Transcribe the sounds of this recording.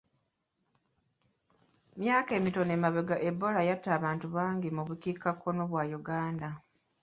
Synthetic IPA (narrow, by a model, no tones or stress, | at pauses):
mjaːke̞ːmito̞neːmaβeɡaʔe̞bːo̞lajatːaːβaːntuβaːŋɡimuβukikːakːo̞noβwajuɡaːnda